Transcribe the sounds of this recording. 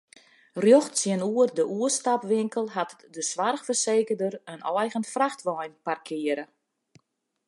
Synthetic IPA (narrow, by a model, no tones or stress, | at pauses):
rjoxtsjɪənuərdəʔuəstapʋɪŋkəlˠɦat | dəsʋarxfərseːkərdərənɔjɣənfraxtʋɔjnparkʰɪəɾə